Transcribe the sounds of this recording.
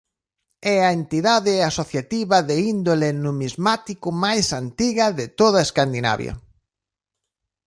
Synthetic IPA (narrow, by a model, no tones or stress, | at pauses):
ɛaent̪iðaðɪasoθjat̪iβɐðeind̪olenumizmat̪ikʊmajsant̪iɣɐðɪt̪oðaeskand̪ina̰βjɐ̰